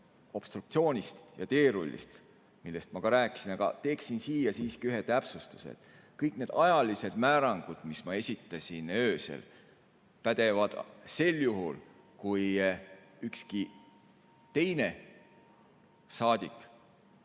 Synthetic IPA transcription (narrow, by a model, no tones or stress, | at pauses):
o̞b̥st̪ɾukt̪sio̞ːnʲist̪jɑt̪e̞ːɾulʲːḭst̪ | milːe̞st̪mɑkɑɾæːkːˑi̥sinɑɡ̥ɑ̰t̪e̞ːksinsiːjɑsiːskiyɦe̞t̪æpsust̪u̥sḛd̪̥ | kɤjkne̞ːd̪ɑjɑlise̞d̪̥mæːɾɑŋɡ̥ud̪̥mismɑe̞sʲit̪ˑːɑsʲinø̞ːsḛl | pæd̪̥e̞vɑd̪̥se̞ljuɦul | kuj | ykski | t̪e̞jne̞ | sɑːd̪̥ʲikːˑ